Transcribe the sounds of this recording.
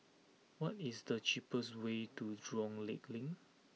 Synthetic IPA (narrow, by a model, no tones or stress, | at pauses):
wɔtisdət͡ʃipəswetudɹɔ̃ŋleklĩŋ